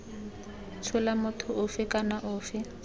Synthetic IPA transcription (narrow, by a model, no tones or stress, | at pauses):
t͡ʃʰʊlamʊtʰʊʔʊfɪkʼanaʔʊːfɪ